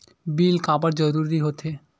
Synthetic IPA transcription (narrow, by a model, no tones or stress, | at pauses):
bilkapəɾd͡ʒəɾuɾiɦot̪ʰe